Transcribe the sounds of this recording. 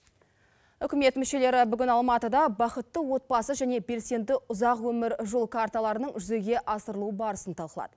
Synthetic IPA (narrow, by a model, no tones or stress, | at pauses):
ʏkʲɪme̞t̪mʏʃe̞le̞ɾɪbʏɡʲɪnɑlˠmɑt̪əd̪ɑbɑχət̪ːəwo̞t̪̚bɑsəʒæne̞be̞lse̞nd̪ɪʔʊzɑqwɵmɪɾʒolˠkʰaɾt̪alˠɑɾənəɴʒʏze̞ɡʲe̞ʔɑsəɾəlˠuəbɑɾəsənt̪ʰɑlˠqəlˠɑ̰d̪̥ə